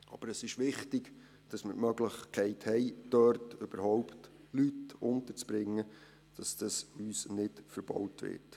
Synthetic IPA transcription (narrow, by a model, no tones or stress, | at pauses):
ɑ̰b̥əɾəsɪʃʋɪχtɪɡ | d̥ɑsmə̰ɾmœɡləχkʰɛɪthɛɪd̥œrtʏb̥əɾhɔwpt | lytʊntəɾt͡sb̥ɾɪŋːə | d̥ɑsd̥ɑsyːsnɪtfəɾb̥ɔ̰wtʋɪ̰ːt